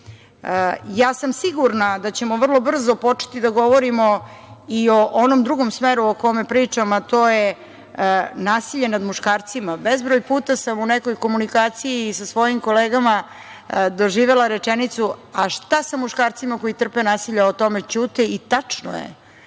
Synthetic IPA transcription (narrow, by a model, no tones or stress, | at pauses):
jaːsamsiɡuɾnad̪at͡ɕe̞mo̞ʋər̩lˠo̞br̩zo̞po̞t͡ʃe̥t̪id̪aɡo̞ʋoɾimo̞io̞ʔonomd̪ɾuɡo̞msmeɾuoko̞mepɾiːt͡ʂamat̪o̞ːje | naːsiʎe̞nad̪muʃkaːɾt̪simabezbɾojpuːt̪asamunekojko̞munikaːt̪sijiːsasʋo̞jimko̞leːɡama | d̪o̞ʒiːʋe̞laɾe̞t͡ʂenit̪suaʃt̪asamuʃkaːɾt̪simako̞jit̪r̩penaːsiʎaot̪o̞me̞t͡ʃuːt̪ɛit̪at͡ʂno̰jḛ